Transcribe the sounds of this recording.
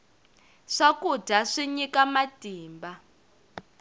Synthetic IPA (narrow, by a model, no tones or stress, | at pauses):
ʂakudʱaʂiɲikamad̥ʱiːmba